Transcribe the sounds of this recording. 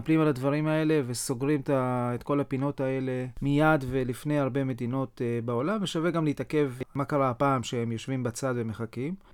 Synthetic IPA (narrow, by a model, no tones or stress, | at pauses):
plimalad̪vaʁimae̞le̞veso̞ɡʁimt̪aet̪ko̞lapino̞t̪ae̞le̞mijad̪ve̞lifne̞jaʁbe̞me̞d̪ino̞tbao̞lamveʃave̞ɡamleit̪ake̞vmakaʁapaːmʃeemjo̞ʃvimbat͡sad̪veme̞χakim